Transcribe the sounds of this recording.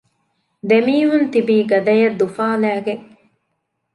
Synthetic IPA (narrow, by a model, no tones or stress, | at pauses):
d̪emiːɦunt̪ibiːɡɐd̪ɐjɐd̪ːufaːlæːɡeŋ